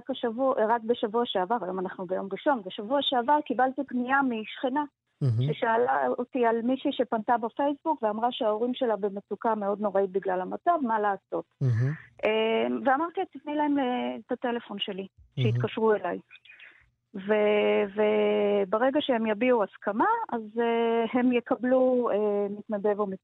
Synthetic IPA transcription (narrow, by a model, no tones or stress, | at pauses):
kaʃavuʁak̚be̞ʃavuaʃeavaʁajo̞manaχnubejo̞mʁiʃo̞nbeʃavuaʃeavaʁkibalt̪ibnijamiʃχina | ʃe̞ʃaːlaotialmiʃiʃe̞pantabafe̞jsbukveamʁaʃeao̞ʁimʃe̞labe̞met͡sukameo̞dno̞ʁait̪̚biɡlalamat͡savmalaːso̞t̪ʔemveamaʁt̪iet̪ivnilae̞mletate̞le̞fo̞nʃe̞li | ʃeit̪kaʃʁue̞laj | vevebeʁe̞ɡaʃehemjabiuaskamaazehe̞mjekabluemit̪nade̞vomi